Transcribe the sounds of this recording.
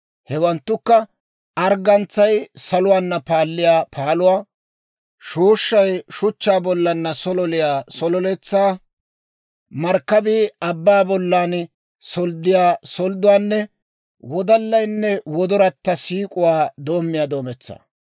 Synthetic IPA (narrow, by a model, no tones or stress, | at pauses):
hɛwɐnt̪ːʊkːɐ | ɐɾɡɐnt͡sːɐjsɐlʊwaːnːɐpaːlːɪjaːpʰaːlʊwaː | ʃuːʃːɐjʃʊt͡ʃːaːbɔlːɐnːɐsɔlɔlɪjaːsɔlɔlɛt͡sːaː | mɐɾkːɐb̪iɐbːaːbɔlːaːn | sɔld̪ɪjaːsɔld̪ʊwaːnːɛ | wɔd̪ɐlːɐjnːɛwɔd̪ɔɾɐt̪ːɐsiːkʼʊwaːd̪o̞ːmːɪjaːd̪o̞ːmɛt͡sːa̰ː